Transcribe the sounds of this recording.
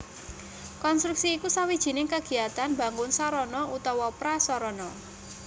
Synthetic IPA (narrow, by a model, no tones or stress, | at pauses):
kɔnst̪ɾuk̚siːkusawid̥ʒ̥i̤nɪŋkəɡ̥i̤at̪anba̤ŋɡʊnsɔɾɔnɔʔut̪ɔwɔpɾasɔɾɔnɔ